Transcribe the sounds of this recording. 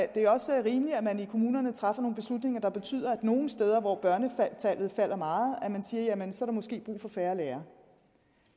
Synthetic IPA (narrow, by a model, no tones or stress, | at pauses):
d̥e̝æɐɒ̽səæɐʁiːməliæmænikʰo̝muːnɐnət͡sʰʁɑ̈fɐno̝ːn̩b̥e̝slud̥ne̝ŋɐd̥ɑ̈b̥e̝t͡sʰy̰ð̰ˠɐæd̥no̝ːn̩sd̥eːð̞ˠɐʋɒb̥ɶɐnəfæt͡sʰæl̰ð̩ˠfæl̰ʔɐmɑ̈ːð̩ˠæmænsiːɐjæmensɒ̽ɑɾ̥umɔ̽sɡ̥e̝̰ːb̥ʁṵːfɒ̽fæːɐleːɐ